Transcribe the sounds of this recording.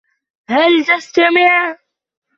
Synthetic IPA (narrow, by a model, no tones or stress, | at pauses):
halt̪ast̪amɪʕ